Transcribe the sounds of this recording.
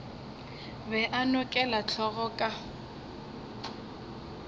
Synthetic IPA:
bɛʔanʊkʼɛlat͡ɬʰɔɣɔkʼa

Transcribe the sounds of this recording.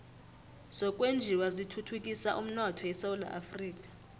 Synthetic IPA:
z̥ɔkʼwend͡ʒʱiwazitʰutʰukʼisaʔum̩nɔtʰɔjɛsawula̰ʔafriːk̬ʼḁ

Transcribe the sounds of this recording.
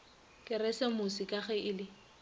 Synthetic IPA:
kʼɪrɛsɛmʊsikʼaχɛʔɪlɪ

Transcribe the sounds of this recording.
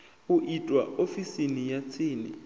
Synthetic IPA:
uʔitʼwaofisinijat͡sʰiːnḭ

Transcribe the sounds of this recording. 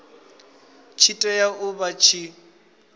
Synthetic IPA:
t͡ʃʰitʼɔjaʔʊbat͡ʃʰi

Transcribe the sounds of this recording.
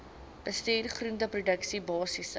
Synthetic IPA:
b̥əstiːrχruntəprudəksibɑːsis

